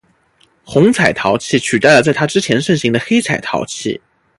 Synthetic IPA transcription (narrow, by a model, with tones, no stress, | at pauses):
xʊ˧˥ŋt͡sʰa˨˩ɪt̪ʰɑ˧˥ʊt͡ɕʰi˥˩t͡ɕʰy˨˩t̪a˥˩lə˩t͡sa˥˩ɪt̪ʰa˥ʈ͡ʂɻ̩˥t͡ɕʰjɛ˧˥nʂɤ˥˩ŋɕi˧˥ŋd̪ə˧xe˥ɪt͡sʰa˨˩ɪt̪ʰɑ̰˧˥ʊt͡ɕʰḭ˥˩